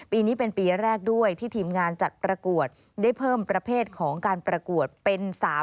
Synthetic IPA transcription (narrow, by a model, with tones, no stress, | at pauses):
piː˧niː˦˥pe˧npiː˧ɾɛː˥˩k̚du˥˩əjt̪ʰiː˥˩t̪ʰiː˧mŋaː˧nt͡ɕa˨˩t̪̚pɾa˧ku˨˩ət̪̚ | da˥˩jpʰɤː˥˩mpɾa˧pʰeː˥˩t̪̚kʰɔː˩˦ŋkaː˧npɾa˧ku˨˩ət̪̚pe˧nsaː˩˦